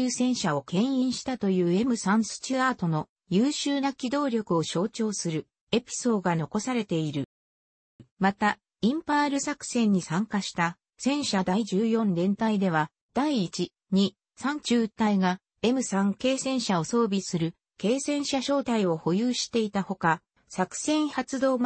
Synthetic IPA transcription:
ɯːsẽ̞ɰ̃ɕao̞kẽ̞ɰ̃ĩɰ̃ɕi̥t̪at̪o̞jɯ̟ːe̞mɯ̟sãɰ̃sɨ̥t͡ɕiaːt̪o̞no̞ | jɯːɕɨːnakʲid̪o̞ːɾʲo̞kɯ̟o̞ɕo̞ːt͡ɕo̞ːsɨɾɯ̟ | e̞pʲi̥so̞ːɡano̞ko̞saɾe̞t̪e̞iɾɯ̟ | mat̪a | ĩmpaːɾɯ̟sakɯ̟̥sẽ̞ɲ̟ːisãŋkaɕi̥t̪a | sẽ̞ɰ̃ɕad̪aiʑɨːjõ̞nd̪ẽ̞nt̪aid̪e̞β̞a | d̪̥aiːt͡ɕi | ɲ̟i | sãɲ̟t͡ɕɨːɯt̪ːaiɡa | e̞mɯ̟sãŋke̞ːsẽ̞ɰ̃ɕao̞so̞ːbʲisɨɾɯ̟ | ke̞ːsẽ̞ɰ̃ɕaɕo̞ːt̪aio̞ho̞jɯːɕi̥t̪e̞it̪aho̞ka | sakɯ̥sẽ̞ɰhat͡sɨd̪o̞ːm

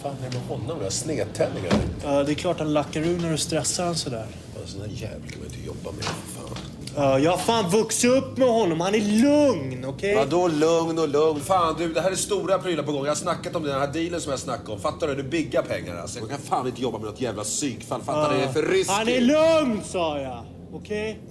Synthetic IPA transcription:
faːnd̪ɛmɛhɔnːɔmd̪asneːt̪ʰːɛnːɪŋa̰ɾḭɑːd̪ɛɛkʰlɑːʈhanlakːaɾʉ̟ːnæɾɔst̪ɾɛsːaɾansɔd̪æːɾ̰ | sɔnæjɛ̰ːvlkʰama̰nɪ̰nt̪əjɔ̰bːa̰mɛ̰fa̰ːn | ɑːjɑfaːnvɵksɵpːmɛhɔnːɔmhanælɵŋnɔkʰɛjad̪ɔlɵŋnɔlɵŋnfaːnd̪ʉd̪ɛɦæːɾæst̪uːɾapʰɾyːlaɾpʰɔɡɔŋːjahasnakːat̪ɔmd̪ɛnhæːɖiːlənsɔmjasnakːaɔmfat̪ːaɾʉnʉbɪɡːapʰɛŋːa̰ɾa̰sɔmakʰanfaːnɪnt̪əjɔbːamɛnɔt̪jæːvlasyːkfalːfat̪ːaɾɛɛfœɾɪshanælɵŋnsɑːja | ɔkʰɛj

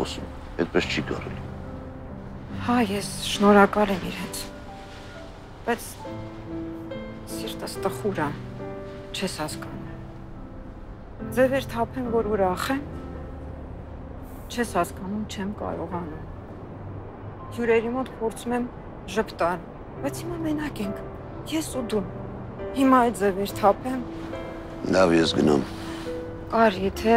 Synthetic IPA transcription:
ɔ̰sum | ɛ̰t̪̚pɛst͡ʃʰiɡɑ̰rɛ̰li | hɑjɛsʃnɔɾɑkɑlɛmiɾɛnt͡sʰ | b̥ɑjt͡sʰ | siɾt̪əst̪əχuɾə | t͡ʃʰɛshɑskɑnum | d͡zɛvɛɾt̪ʰɑpʰɛmvɔɾuɾɑχɛm | t͡ʃʰɛshɑskɑnumt͡ʃʰɛmkɑ̰ɾɔʁɑnum | hjuɾɛɾimɔt̪pʰɔɾt͡sʰumɛm | ʒəpʰt̪ɑɾ | b̥ɑjt͡sʰhimɑmɛnɑkɛŋkʰ | jɛsud̪um | himɑɛt̪d͡zɛvɛɾt̪ʰɑpʰɛm | lɑvjɛsɡənṵm | kɑɾjɛt̪ʰɛ

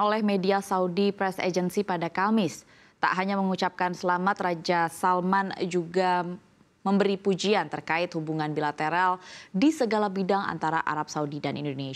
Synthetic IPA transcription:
olɛhmediasaudipɾɛsḛd͡ʒənsipadakamɪs | t̪a̰ʔɦaɲaməŋut͡ʃap̚kansəlamat̪rad͡ʒasalmand͡ʒuɡa | məmbəɾipud͡ʒiant̪ərkaɪt̪̚hubuŋanbilat̪eɾaldisəɡalabidaŋa̰nt̪aɾa̰ʔa̰ɾap̚saudidanḭndone

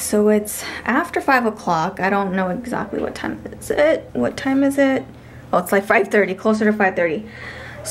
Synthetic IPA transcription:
soʊɪtsʔæftə˞faɪvəkʰl̥ɑkaɪɾõʊ̃nːoʊɨɡzæ̰k̚tˡlḭwʌ̰tʰãɪ̃mɪz̥ɪt̚wʌtʰãɪ̃mɨzɪt̚ | ɛətslaɪkfaɪv̥θɜ˞ɾikʰl̥oʊs̬ə˞ɾɨfaɪv̥θɜ˞ɾi

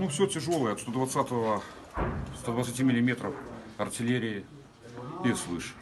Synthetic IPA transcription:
nufsʲotʲɪʐo̞lˠəjəɐt̪st̪od̪vɐt̪sat̪əvə | st̪ad̪vət̪sətʲimʲɪlʲɪmʲe̞t̪ɾəfɐrtʲɪlʲeɾʲɪɪ | islˠɨʂɨ̥

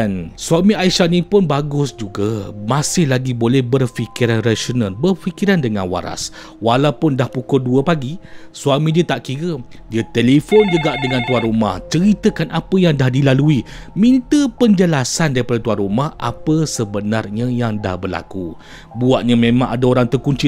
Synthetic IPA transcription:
dansuamiaiʃanipʊnbaɡʊsd͡ʒuɡamasɪhlaɡibolɛhbərfikiɾanrasonalbərfikiɾandəŋa̰nwa̰ɾa̰s | walawpʊndahpukɔduəpaɡisuamĩdiət̪aʔkiɾə | diət̪elefond͡ʒuɡaʔdəŋant̪uanɾuma̰ht͡ʃəɾit̪əkanʔapəjaŋdahdilalui | mint̪əpəɲd͡ʒəlasandaɾipadat̪uanrumahʔa̰pəsəbənarɲajaŋda̰hbərla̰ku | buaʔ̚ɲamẽmãŋadaoɾaŋt̪ərkuɲt͡ʃi

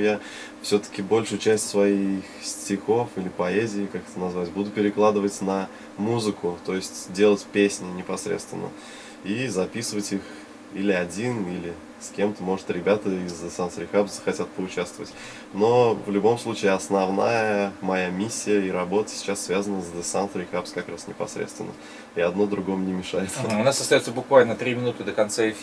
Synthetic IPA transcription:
ja | fsʲɵt̪ə̥kʲɪbo̞lʲʂʊjʊt͡ɕæsʲtʲsvɐixsʲtʲɪxo̞filʲɪpɐezʲɪːkakɛ̥t̪ənɐzvaɪtʲbud̪ʊpʲɪɾʲɪklˠad̪ɨvətʲnɐ | muzɨkʊt̪o̞jɪsʲtʲdʲe̞lˠətʲpʲesʲnʲɪnʲɪpɐsɾʲḛt̪st̪vʲɪ̰nːə̰ | izɐpʲisəvətʲix | ilʲɪɐdʲinilʲɪ | sʲkʲemt̪əmo̞ʐɨt̪ɾʲɪbʲat̪əɪzd̪əsansɾʲɪxapzzəxɐtʲat̪̚pəʊt͡ɕast̪vəvətʲ | no̞vlʲʊbo̞mslˠut͡ɕɪːɐsnɐvna̰jəmɐjamʲisʲːɪjəiɾɐbo̞t̪ə̥sʲɪ̥t͡ɕasːvʲazənəzd̪ɨsant̪ɾʲɪxapskɐkɾasnʲɪpɐ̰sɾʲḛt̪st̪vɪ̰nːə | ɪɐd̪no̞d̪ɾʊɡo̞mnʲɪmʲɪʂajɪt̪səʊnasːəst̪ɐjot̪səbʊkvalʲnət̪ɾʲimʲɪnut̪ɨd̪əkɐnt̪saɪfʲ

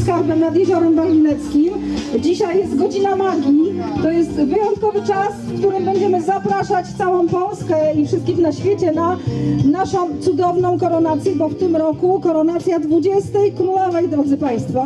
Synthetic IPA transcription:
skaɾbɛmnad̪jɛʑɔɾɛmbalʲinɛt̪skʲimd͡ʑiɕajːɛst̪ɡɔd͡ʑinamaɡʲit̪ɔjɛst̪vɘjɔnt̪̚kɔvɘt͡ʂasfkt̪uɾɘmbɛɲd͡ʑɛmɘzapɾaʂat͡ɕft̪sawɔ̃w̃pɔlskɛifʂɘst̪̚kʲixnaɕfʲjet͡ɕɛnanaʂɔ̃w̃t̪sud̪ɔvnɔ̃w̃kɔɾɔnat̪sʲjɛbɔft̪ɘmɾɔkukɔɾɔnat̪sʲjad̪vud͡ʑɛst̪ɛjkɾulɔvɛjd̪ɾɔd̪zɘpaj̃st̪fa

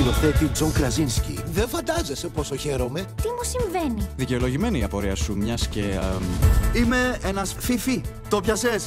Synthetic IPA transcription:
io̞θe̞t̪id͡zo̞ŋkɾɐzinscḭðeɱfɐnd̪ɐze̞sepo̞so̞çe̞ɾo̞me̞t̪imusiɱve̞niðice̞o̞lo̞ʝime̞niːɐpo̞ɾiɐsumɲɐsce̞ | ime̞enɐsfifi | t̪o̞pçɐses

